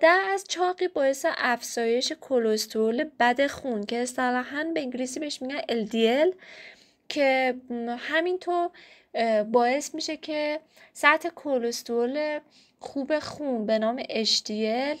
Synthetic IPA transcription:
d̪̥æɾæzt͡ʃʰɒːɣiːbɒːje̞seʔæfz̥ɒːje̞ʃe̞kʰolost̪ʰoole̞bæd̪e̞xuncʰe̞ːst̪ælæɦænbeĩŋɡilisiːbeeʃmiɡæneld̪iel | cʰe̞ | hæmint̪ʰoːɾ | bɒːe̞smiːʃe̞cʰe̞ | sæt̪ʰe̞kʰolost̪oole | xuːbe̞xunbe̞nɒːme̞ʔeʃd̪iel

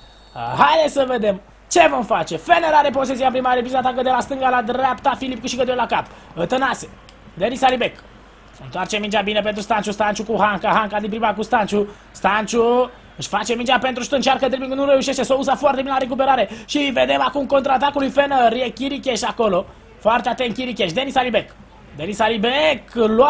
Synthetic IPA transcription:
ɦajd̪esəved̪e̞m | t͡ʃe̞vo̞mfat͡ʃe̞fenəɾaɾepos̬esiampɾimaɾebizat̪akəd̪elast̪ɨŋɡalad̪ɾapt̪afilip̚kuʃikəd̪eolakap | ət̪ənase | d̪eɾisalibek | ɨnt̪oart͡ʃemint͡ʃabinep̬ent̪ɾust̪ant͡ʃust̪ant͡ʃukuɦaŋkaɦaŋkad̪inpɾimakust̪ant͡ʃu | st̪ant͡ʃu | ɨʃfat͡ʃemint͡ʃʲape̞nt̪ɾuʃt̪ɨnt͡ʃarkət̪ɾebiknuɾeuʃeʃt̪esousafoart̪e̞binelaɾek̬up̬eɾaɾe̞ʃived̪e̞makumko̞nt̪ɾat̪̬akulujfenəɾiekʲiɾikʲeʃako̞lo̞ | foart̪eat̪ent̪̚kʲiɾikʲeʃd̪e̞nisalibek | d̪enisalibekla

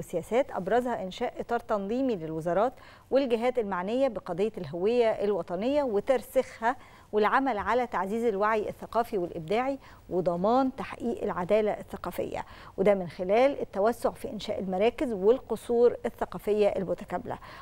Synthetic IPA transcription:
esːejæːsæːt̪ʔɑ̰bɾˤɑzhɑʔɪnʃæːʔʔet̪ˤɑːɾˤt̪ɑnðˤiːmilelwezɑɾˤɑːt̪ | welɡɪɦæːt̪elmaʕnejːæbeqɑd̪ejːɑlɦowejːæʔelwɑt̪ˤɑnejːæwet̪ɑɾˤsexhæ | welʕamælʕalæt̪aʕziːzelwaʕjʔḛθːæqɑːfiwelʔɪb̚d̪aːʕi | wed̪ˤɑmɑːnt̪aħʔiːʔelʕad̪æːlæʔeθːæqɑːfḛjːæ̰wed̪æmɪnxelæːlʔet̪ːæwæsːoʕfḭːʔenʃæ̰ːʔelmæɾˤɑːkɪzwelqosˤuːɾeθːæqɑːfejːæʔelmʊt̪æ̥kæblæ̰

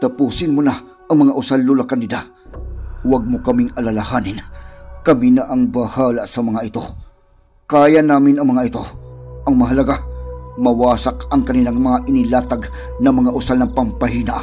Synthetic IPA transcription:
t̪ɐpuːsɪnmona | ʔɐŋmɐŋaʔʊsalːulakand̪ɪd̪a | waɡ̚mokɐmɪŋɐlalahaːnɪnkɐminaʔɐŋbahaːlaʔsɐmɐŋaʔɪt̪o̞ | kaːjanaːmɪnɐŋmɐŋaɪt̪o̞ʔɐŋmɐɦɐlɐɡamɐwaːsakɐŋkɐnilaŋmɐŋaʔɪnilaːt̪aɡnɐmɐŋaʔʊsalnɐŋpɐmpɐɦiːnaʔ

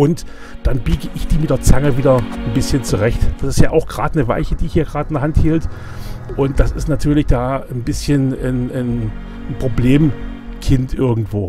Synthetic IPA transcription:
ʔʊnt | d̥anbiːɡəʔɪçd̥iːmɪtd̥eːɐt͡saŋəviːdɐnbɪsçənt͡suʁɛçtd̥asɪstjaːʔaʊxɡ̥ʁa̰ːdnəva̰ɪçəd̥iːɪçiːɐɡʁaːdɪndɐɦanthiːlt | ʔʊnt̚d̥asɪ̰stnatʰyːɐlɪçd̥aːnbɪsçənnən | npʁ̥obleːm | kʰɪntʔɪɐɡŋ̩tv̥oː

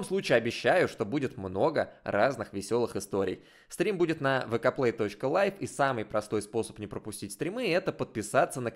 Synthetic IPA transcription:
omslˠut͡ɕɪːɐbʲɪɕːæjʊʂt̪o̞budʲɪt̪mno̞ɡəraznɨxvʲɪsʲo̞lˠɨxɪst̪o̞ɾʲɪ̰j | st̪ɾʲimbudʲɪt̪nəvɨkɐplˠejt̪o̞t͡ɕkəlˠajfisamɨjpɾɐst̪o̞jspo̞sə̥pnʲɪpɾəpʊsʲtʲitʲst̪ɾʲɪmɨɛt̪əpət̪̚pʲɪsat̪sənə

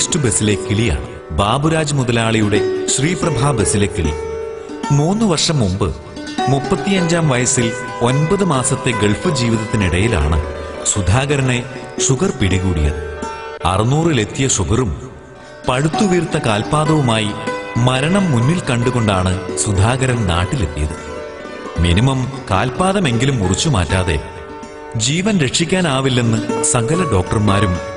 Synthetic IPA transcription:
ʂtɨbe̞silekːiɭijɐ̰ɳ | baːbuɾaːd͡ʑmuðɐlaːɭijuɽe̞ɕriːprɐbʱaːbe̞sile̞kːiɭḭ | muːnːɨʋɐrʂɐmːumbɨ | mupːɐt̪ːijɐɲd͡ʑaːmʋɐjɐsil | o̞nbɐðɨmaːsɐt̪ːe̞ɡeɭfɨd͡ʑiːʋiðɐt̪ːiniɽɐjila̰ːɳɨ̰sud̪ʱaːɣɐɾɐne̞ʂuɡɐrpiɽiɣuːɽijɐ̰ðɨɐ̰rɨnuːrɨle̞t̪ːijɐʂuɡɐrum | pɐɻut̪ːuʋirt̪ːɐkaːlpaːðɐʋumaːjimɐɾɐɳɐmːunːilkɐɳɖuɣo̞ɳɖaːɳɨsud̪ʱaːɣɐɾɐnna̰ːʈːile̞t̪ːijɐðɨ | minimɐmka̰ːlpaːðɐme̞ŋɡilumːurit͡ɕːumaːtːaːðe̞̰ | d͡ʑiːʋɐnɾe̞ʈʂikʲːaːnaːʋilːenːɨsɐŋɡɐlɐɖo̞ːk̚ʈɐrmaːɾum

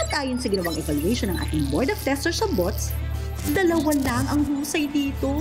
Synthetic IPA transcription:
ɐt̪̚ʔaːjonsɐɡɪnɐwaŋɛvaluɛjʃonːɐŋʔa̰ːt̪ɪŋbɔɹd̪ɐf̚t̪ɛst̪ɛɹsɐbot̪s | d̪ɐlɐwɐnlɐŋʔɐŋɦuːsɐjd̪iːt̪o̞

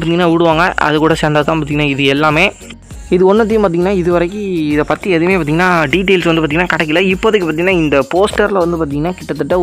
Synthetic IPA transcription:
ɾt̪iŋɡɐnaːʋɪɽɯʋaːŋɡɐɐ̰ðɯkuːɽɐsɐnd̪aːt̪ãːpaːt̪iŋɡɐnaːɪðɯɛlːaːmeː | ɪðɯɔnːɐt̪ːɪjʊmpaːɾt̪iŋɐnaːɪðɯʋɐɾɐk̬ːɯɪðɐpɐːt̪ːiɛðɪmeːpaːt̪iŋɐnaːɖiːʈ̬ːɐɪlsʋɐndɯpːat̪iŋɡɐnːaːkɐɽɛkːɪlɐɪpːoɐðɯkːɯpaːt̪iŋɐnaːɪnd̪ɐpoːsʈɐɾlɐʋɐnd̪ɯpaːɾt̪iŋɡɐnːaːkɪʈːɐt̪ːɯʈːɐ

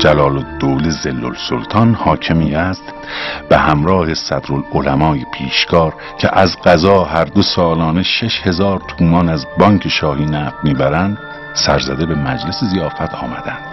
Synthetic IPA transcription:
d͡ʒælɒːlod̪̥ːoːlizelːo̰lsolt̪ʰɒːnhɒːcʰemiːæst̪ | b̥ehæmɾɒːhe̞sæd̪ɾololæmɒːjepʰiːʃkʰɒːɾ | cʰḛʔæzɢæzɒːhæɾd̪osɒːlɒːne̞ʃeʃhe̞zɒːɾt̪ʰuːmɒːnæzbɒːŋkʰe̞ʃɒːhiːnæːfmiːbæɾænd̪ | sæɾzæd̪e̞be̞mæd͡ʒlesezijɒːfæt̪ʰɒːmæd̪ænd̪̥

